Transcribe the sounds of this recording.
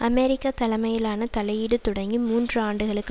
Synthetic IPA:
ʔɐmeːɾɪkːaːt̪ɐlɐmɐjɪlaːnɐt̪ɐlɐjiɽɯt̪ʊɽɐŋɡimuːndrɯaːɳɖɯɣɐɭɯkː

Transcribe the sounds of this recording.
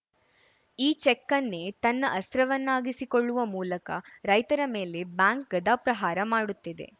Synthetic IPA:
iːt͡ʃekːɐnːet̪ɐnːɐʔɐst̪ɾɐʋɐnːaːɡisiko̞ɭːuʋɐmuːlɐkɐɾɐjt̪ɐɾɐme̞ːle̞bjaːŋk̚ɡɐd̪aːpɾɐɦaːɾɐmaːɽut̪ːid̪e̞̰

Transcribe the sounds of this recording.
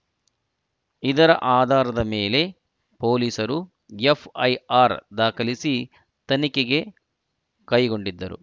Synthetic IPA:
id̪ɐɾɐʔaːd̪ʱaːɾɐd̪ɐmeːle̞ | poːliːsɐɾu | epʰɐjaːɾd̪aːkɐlisi | t̪ɐnikeɡe̞ | kɐjɡo̞ɳɖid̪ːɐɾṵ

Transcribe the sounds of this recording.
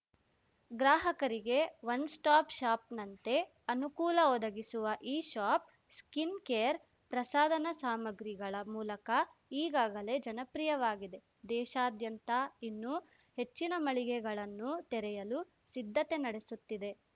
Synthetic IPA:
ɡɾaːɦɐkɐɾiɡe̞ʋɐnsʈaːpʃaːpnɐnt̪e̞ | ɐnukuːlɐɔd̪ɐɡisuʋɐʔiːʃaːp̚ | skinkeːjɐɾ | pɾɐsaːd̪ɐnɐsaːmɐɡɾiɡɐɭɐmuːlɐkɐiːɡaːɡɐle̞d͡ʒɐnɐpɾijɐʋaːɡid̪e̞ | d̪ɛːʃaːd̪jɐnt̪ɐinːu | he̞t͡ʃːinɐmɐɭiɡɛɡɐɭɐnːut̪ɛɾɛjɐlu | sid̪ʱːɐt̪e̞nɐɽe̞sut̪ːid̪e̞

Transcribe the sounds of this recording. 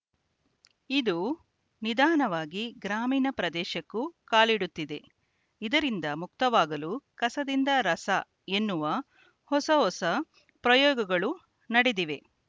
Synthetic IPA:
id̪u | nid̪aːnɐʋaːɡiɡɾaːmiːnɐpɾɐd̪ɛːʃɐkːukaːliɽut̪ːid̪e̞ | id̪ɐɾind̪ɐmuk̚t̪ɐʋaːɡɐlukɐsɐd̪ind̪ɐɾɐsɐ | e̞nːuʋɐ | hɔsɐɦɔsɐ | pɾɐjɔːɡɐɡɐɭu | nɐɽed̪iʋe̞

